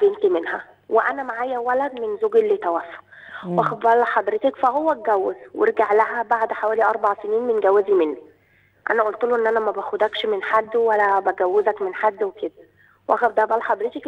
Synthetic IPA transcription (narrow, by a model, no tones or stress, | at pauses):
bent̪imenhæ | weʔænæmaʕaːjæwælæd̪menzoɡelːet̪æwæːfo̥ | wʔæxæfbælæħɑd̪ˤɾet̪ekfæhowːæɡæwːezwḛɾɡaʕlæɦæbaʕd̪ħawæːliʔɑɾˤbɑʕseniːnmenɡæwːæzimenːi | ʔæ̰næʔolt̪luʔenːʔænæmæbæxod̪ækʃmenħad̪ːwælːæbæɡæwːezækmenħad̪ːweked̪æ | wʔæxæfd̪æhbælːæħɑd̪ˤɾet̪ek